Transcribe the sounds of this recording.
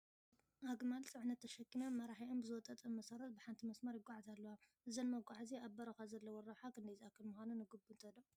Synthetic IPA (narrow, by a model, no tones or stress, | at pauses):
ʔaɡmalsɨʕnɐt̪ʰːɐʃɐkːinamːɐɾaħiʔombɨzɨwɔt̪ʼːɐt̪ʼɐmmːɐsɐɾɐt̪̚bɨħant̪ʰimɐsmɐɾjɪɡʷʼːaʕzalːɐwaʔɨzɐnmɐɡʷʼaʕziaβbɐɾɐxazɐlːɐwɔɾɐħakʰɨnd̪ɐjzʔakːɨlmuxanunɨɡɨbɨnt̪ʰɐd̪ɐ